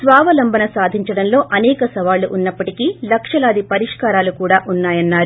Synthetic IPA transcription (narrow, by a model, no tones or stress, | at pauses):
sʋaːʋɐlɐmbʱɐnɐsaːd̪ʱiɲt͡ʃɐɽɐnlo̞ːʔɐnɛːkɐsɐʋaːluʔunːɐpːɐʈikiːlɐkʂɐlaːd̪ipɐɾiʂkaːɾaːlukuːɽaːʔunːaːjɐnːaːɾu